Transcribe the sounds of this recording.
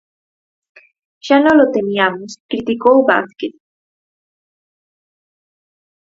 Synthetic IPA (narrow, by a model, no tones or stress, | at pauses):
ʃanõlot̪emiamoskɾit̪ikowba̰θket̪̚